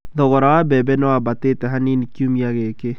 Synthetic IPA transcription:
ðɔɣɔɾawabɛbɛnɔwabateːtɛɦaninikiumiaɣeke

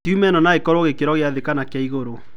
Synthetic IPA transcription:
tumɛnɔnaekɔɾoɣekeɾɔɣeaðekanakjaiɣoɾo

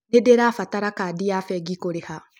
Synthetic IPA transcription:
nedeɾaːfataɾakaːdijafɛɡikoɾeha

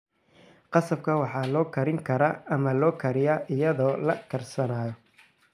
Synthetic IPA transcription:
qɑsɐb̚kʰɐwɑħɑːlɔːkʰɐɾɪŋkʰɐɾaːɐmɐlɔːkʰɐɾɪjaːʔɪjɐðɔːlɐ̰kʰɐrsɐnaːjɔ

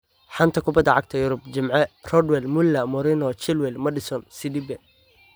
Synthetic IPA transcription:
ħɑnt̪ʰɐkʰʊbɐd̪ɐʕɑɡ̚t̪ʰɐjʊɾʊbt͡ʃɪmʕɛrɔd̪wɛlmʊlːɐmɔɾɪnɔt͡ʃɪlwɛlmɐɖɪsɔnsɪd̪ibɛ

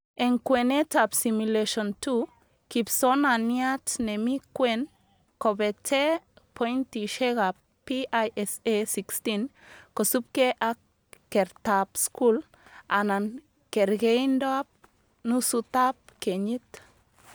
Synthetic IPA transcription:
eŋkwenetapsimuleʃontu | kipsonaniatnemikwen | kobetepʰojntiʃeɡap | piʔajɛsesikstinkosup̚keʔak | kːeɾtapskul | anan | keɾɡendoap̚ | nusut̪ap̚keɲit̪

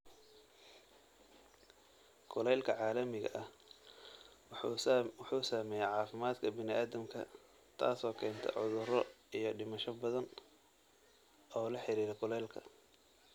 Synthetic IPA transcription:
kʰʊlɛlkʰɐʕɑːlɐmɪɣɐ̰ʔɐh | wħuːsaːmɛːjɛʕɑːfɪmaːd̪kʰɐbɪnɪʔaːðɐmkʰɐ̰ | t̪ʰa̰ːsɔːkʰɛːnt̪ʰɔ̰ʕʊðʊrɔijɞɖɪmɐʃɔbɐðɐn | ɔːlɐħɪɾiːɾɛkʰʊlɛːlkʰɐ̰

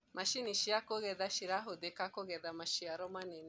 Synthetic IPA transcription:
maʃiniʃiakoɣɛðaʃiɾaɦoðekakoɣɛðamaʃiaɾɔmanɛni

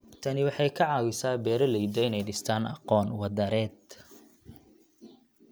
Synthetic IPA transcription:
t̪ʰɐnɪwɑħɑjkʰɐʕɑːwɪsaːbɛːɾɐlɛjd̪ɛɪnɛjɖɪst̪ʰaːnɑ̰qɔːnwɑd̪ɐɾɛːd̪

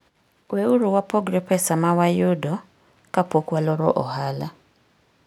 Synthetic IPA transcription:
weuɾuwapʰɔɡɾɛpʰɛsamawajudɔ | kapɔkwalɔɾɔ̰ʔɔ̰ɦala

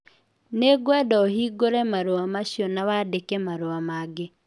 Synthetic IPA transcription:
neɡwɛdɔohiɡoɾɛmaɾoamaʃjɔnawadekɛmaɾoamaɡe

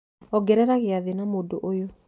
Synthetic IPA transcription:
ɔɡɛɾɛɾaɣeaðenamodoʔojo

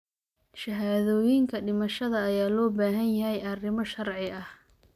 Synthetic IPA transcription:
ʃɐɦaːðɔːjɪŋkʰɐɖɪmɐʃɐðɐːjaːlɔːbaːɦɐnjɐɦɛjɐrɪmɔʃɐrʕɪɐh

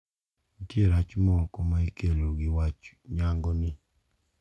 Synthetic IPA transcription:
itjeɾat͡ʃmɔkomaikeloɡɪwat͡ʃ | ɲaŋɡɔnɪ

